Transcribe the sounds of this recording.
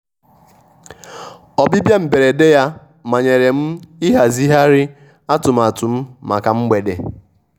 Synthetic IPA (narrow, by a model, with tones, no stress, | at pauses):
ɔ˨bi˦bja˦m̩˨be˨ɾe˨de˦ja˦ | ma˨ɲe˨ɾe˨m̩˦i˦ɦa˨zi˦ɦa˦ɾɪ˦ | a˦tʊ˨m˨a˨tʊ˨m̩˦ma˨ka˨m̩˦ɡ͡be˨dḛ˨